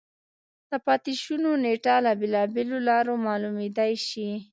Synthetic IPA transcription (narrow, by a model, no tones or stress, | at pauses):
d̪̥əpɑt̪iʃunoneʈɑlabelɑbelolɑɾomɑlumed̪ajʃi